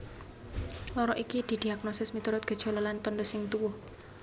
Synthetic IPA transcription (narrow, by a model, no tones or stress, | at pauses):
lɔɾɔʔikid̪̥i̤d̪̥i̤ak̚nosɪsmit̪uɾʊt̪̚ɡ̥ə̤d̥ʒ̥o̤lalant̪ɔnd̪ɔsɪŋt̪uwʊh